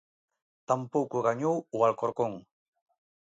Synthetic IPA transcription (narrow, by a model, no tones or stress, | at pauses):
t̪ampowkuɣaɲuuɣalkoɾkoŋ